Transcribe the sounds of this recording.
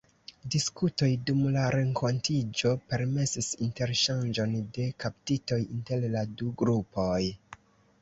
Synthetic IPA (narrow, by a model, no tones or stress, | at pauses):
diskuto̞jdumlaɾe̞ŋko̞ntid͡ʒo̞pe̞ɾme̞sisinte̞ɾʃand͡ʒo̞nde̞kap̚tito̞jinte̞lladuɡɾupo̞j